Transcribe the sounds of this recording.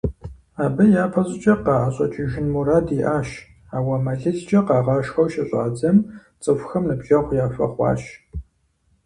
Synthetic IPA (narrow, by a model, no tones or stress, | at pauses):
aːbɨjaːpʰɐzʼɪt͡ʃʼɐqɑːʔaɕʼɐt͡ʃʼɪʒɪnmuɾaːdiʔaːʃ | aːwɐmɐɮɨɮt͡ʃʼɐqɑːʁɑːʃxɐwʃɐɕʼaːd͡zɐm | t͡sʼɨfʷxɐmnɨbʒɐʁʷjaːfɐ̰χʷɑ̰ːʃ